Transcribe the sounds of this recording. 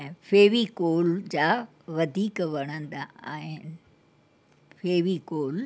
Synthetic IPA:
feːʋikoːld͡ʑaː | ʋɐd̪ʱiːkʋɐɽ̃ə̃nd̪a̰ːɦɪnɪ | fʰeːʋikoːl

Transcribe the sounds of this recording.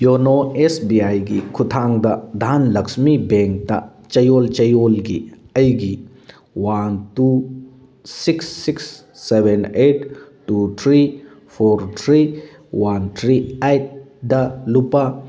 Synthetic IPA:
jonoesbiajɡikʰutʰaŋdɐd̪ʱanlɐksmibeŋk̚tɐ̰ | t͡ʃɐjolt͡ʃɐjolɡi | ɐjɡi | wantu | siksːiksː | ebʱeneʈ̚tut̪ʰɾi | pʰoɾt̪ʰɾi | want̪ʰɾiajt̚ | dɐlupa

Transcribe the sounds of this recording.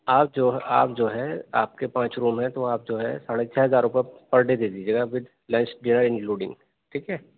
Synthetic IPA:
aːp̚d͡ʒoːɦaːpd͡ʒoːɦɛaːp̚kepãːt͡ʃɾuːmɦɛ̃t̪oaːp̚d͡ʒoːɦɛsaːɽet͡ʃʰɛɦɐzaːɾʊpepɐɾɖed̪eːd͡ʒ̪ied͡ʒɐɡaʋɪd̪ | lɛ̃ːnt͡ʃɖɪnəɾɪ̃ŋkluːɖɪ̰̃ŋɡ | ʈʰiːkɦɛː

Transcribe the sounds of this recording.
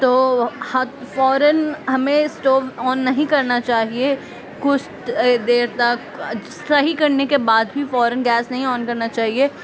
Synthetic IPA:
t̪oːhɐfɔːɾənɦɐmẽsʈoːʋɔːnːɐɦĩkɐɾnat͡ʃaːɦie | kʊst̪d̪eːɾt̪ak | st̪ɐɦikɐɾnekebaːd̪bʱifɔːɾənɡɛːsnɐɦĩɔːnkɐɾnat͡ʃaːɦie

